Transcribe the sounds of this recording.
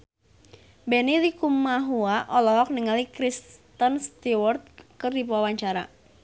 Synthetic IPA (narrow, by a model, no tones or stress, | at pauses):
bɛnilikumaɦuaʔɔlɔɦɔk̚niŋalikɾist̪ənst̪iwɔrt̪̚kərdip̬uawaɲt͡ʃaɾa̰